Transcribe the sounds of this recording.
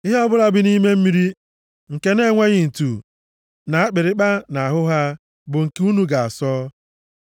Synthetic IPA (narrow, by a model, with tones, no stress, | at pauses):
ɪ˦ɦe˦ɔ˦bʊ˦ɾa˦bɪ˦ni˦me˦m̩˦mi˦ɾi˦ | ŋ̩˨ke˦ne˦ŋʷe˦ɣɪ˨n̩˨tu˨ | na˨a˦k͡pɪ˨ɾɪ˦k͡pa˦na˨a˨ɦʊ˦ɦa˦ | bʊ˨ŋ̩˨ku˦nu˦ɡa˨a˨sɔː˦